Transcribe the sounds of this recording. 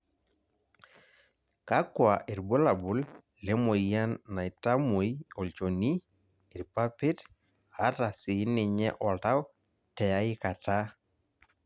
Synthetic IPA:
ka˦kwa˨ʔɪ˨ɾbo˦la˨bʊ˨l | le˦mo˨ija˦nːa˨i˨ta˦mo˨jɔ˨lt͡ʃo˨ni˦ | ɪ˨ɾpa˦pɪ˦t | ha˦ta˨sɪ˨˦nɪ˨ɲɛ˦ʔɔ˨lta˦w | tɛ˨ja˦ɪ˦ka˨ta˦

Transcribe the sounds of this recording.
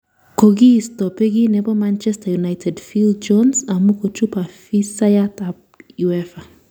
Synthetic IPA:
ko˨ɡi˦˨stɔ˨pe˦ɡi˦nɛ˨bɔ˦ma˦nt͡ʃɛ˦sta˨ju˨najtʰɛ˨dfi˦ld̚d͡ʒɔ˦nsa˨mu˦ko˨t͡ʃu˦pa˨fi˦sa˦ja˦t̪a˨b | ju˨ɛfa˨

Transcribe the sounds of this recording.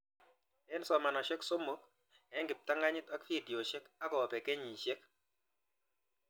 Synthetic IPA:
ɛ˦nsɔ˨ma˨na˨ʃe˦kso˦mo˦k̚ | ɛ˨˦ŋɡɪ˨p̚t̪a˦ŋɡa˦ɲɪ˦t̪a˦kfi˦˨djo˨ʃe˦ka˦kɔ˨pɛ˨ke˦ɲi˨ʃe˦k

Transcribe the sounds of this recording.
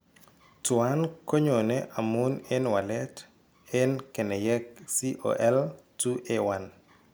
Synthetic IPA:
twa˦nko˦ɲo˨nɛʔa˨mu˦ne˦nwa˨lɛt | ɪ˦nke˨nɛ˨jɛ˦ksi˦ʔo̰ʔɛ˦ltu˦ʔewan

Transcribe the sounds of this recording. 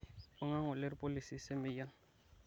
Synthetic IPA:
ʊ˦ŋa˦ŋʊ˨lɪ˦ɾi˦pʼo˦li˨si˦sɪ˦mɪ˦ja˦n

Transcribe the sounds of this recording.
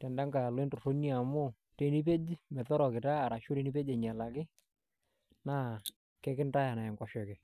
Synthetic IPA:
tɛ˨nda˦ŋɡa˨lo˦e˦ntʊ˨ro˦ni˦a˨mʊ˦ | te˦ni˦p̬e˦d͡ʒmɛ˨tɔ˦ɾɔ˨kɪ˨taː˦˨ɾa˨ʃu˦ɾe˦ni˦pe˦d͡ʒɛ˨ɲa˨la˨kɪ˦ | na˦ | kɛ˦kɪ˦nta˦ja˨na˨ɛ˨ŋɡɔ˨ʃɔ˨kɛ˨

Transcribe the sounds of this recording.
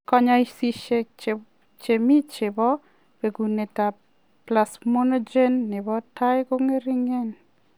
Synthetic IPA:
kɔ˦ɲɔ˦i˦si˨ʃe˨t͡ʃ | t͡ʃe˨mi˦t͡ʃɪ˨bɔ˦ | pe˨ɡu˨ne˨ta˨ | pla˨smo˦nɔ˦d͡ʒe˦nːɪ˨bɔ˦ta˦jko˦ŋe˦ɾi˦ŋe˦n

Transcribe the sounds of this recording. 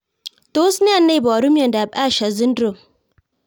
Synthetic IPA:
to˦sni˦a˦˨nːa˦jba˨ɾu˦mja˨nda˨ba˦ʃa˨zi˦ndɾo˨

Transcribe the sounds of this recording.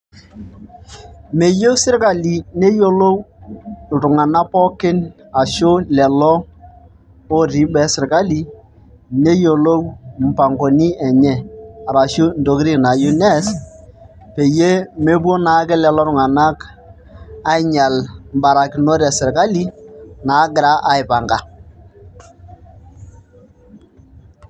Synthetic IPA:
me˨jo˦sɪ˦ɾka˨li˨ne˦jo˦lo˦w | tʊ˨ŋa˨na˦pɔ˦kɪ˦n | a˨ʃo˦lɛ˨lɔ˦ | o˦ɾi˦bɛ˨˦sɪ˨ɾka˦li˦ | ne˦jo˨lo˦wm̩˨pa˨ŋɡo˨ni˦ɛ˨ɲɛ˦a˨ɾa˨ʃu˦n̩˨do˨kɾi˦kna˨ju˦nɛ˦s | pe˨je˦me˦b̬o˦na˨˦kɪ˦lɛ˨lɔ˦ɾʊ˨ŋa˨na˦k | a˦ɪ˦ɲa˨lm˨ba˨ɾa˨kɪ˨no˦ɾɛ˨sɪ˨ɾka˦li˦na˨˦ɡɪ˨ɾa˦ʔa˨˦ɪ˨pa˨ŋɡa˨

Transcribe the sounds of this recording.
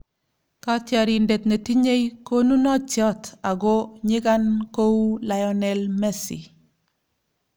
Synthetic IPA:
ka˦tjɔ˨ɾi˨nde˨t̪ne˨ti˦ɲe˦jko˦nu˦nɔ˦t͡ʃjɔ˦ta˨ɡɔ˦ɲɪ˦ka˦nko˦u˦la˨jɔ˦nɛ˨lmɛ˦sḭ˨

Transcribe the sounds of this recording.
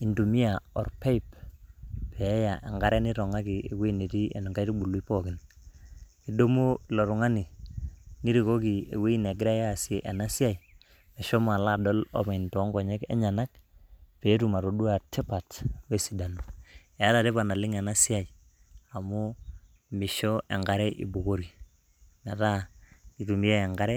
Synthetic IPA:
i˨ndu˨mi˦a˨ɔ˨rpe˦i˨p | pɛ˨˦ja˨ʔe˨ŋɡa˦ɾɛ˦ni˦ɾɔ˨ŋa˦ki˨e˨we˦i˦ne˨ti˦ḛ˨n˨ŋɡa˦iɾi˦ɓu˨li˦pɔ˦kɪ˨n | i˨do˦mo˦lɔ˨ɾu˨ŋa˦ni˨ | ni˦ɾi˨ko˦ki˨ḛ˨we˦i˦ne˨ɡɪ˦ɾa˦jaː˦˨si˦e˨ʔa˨na˦si˦a˨j | mɛ˨ʃɔ˦ma˨la˦˨dɔ˦lɔ̰˦ma˨ɪntɔ˦ŋɡɔ˨ɲɛ˦kɛ̰˦ɲa˨na˦kpe˨˦tu˨ma˨ɾo˨du˦a˨tɛ˦pa˨twe˦si˨da˨n˨ | e˨a˦ta˨te˦pa˨na˨lɪ˦ŋɛ˨na˦sɪ˦a˨i˨ | a˨mu˦ | mɪ˨ʃɔ˦ʔɛ̰˨ŋɡa˦ɾɛ˦ʔḭ˨bu˨ko˦ɾi˨ | na˨ta˦i˨tu˨mi˦jɛ˦ɛ˨ŋɡa˦ɾɛ˦

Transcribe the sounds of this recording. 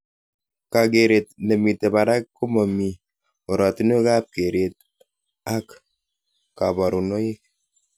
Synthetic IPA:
ka˨ke˨ɾe˨t̚ne˨mi˨te˨ba˨ɾa˦kkːu˦mɔ˨mi˨ | o˨ɾɔ˨ti˦no˦ka˦p̚ke˨ɾe˨t̚ | a˦k | ka˨bɔ˨ɾu˨no˦i˦k̚

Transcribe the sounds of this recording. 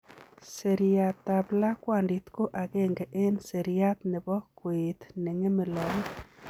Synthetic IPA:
se˨ɾia˨t̪ːa˨bla˦kwa˨ndi˨t̪ko˦ʔa˨ɡe˦ŋɡɛ˨ʔe˦nse˨ɾia˦t̪̚nɪ˨bɔ˦kwɪ˨t̪nɪ˨ŋe˦mɪ˨lɔ˨ŋ

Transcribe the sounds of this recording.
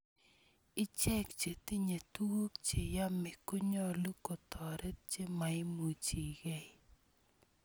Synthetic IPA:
ɪ˦t͡ʃɛ˦kt͡ʃe˨t̪ɪ˦ɲe˨tu˦wo˦kt͡ʃe˨ja˦mɪ˨ko˦ɲɔ˦lu˦ko˨t̪ʰɔ˨ɾʔɛ˦t̚t͡ʃe˦ma˨ɪ˦mu˨t͡ʃi˨ɡɛ˦˨

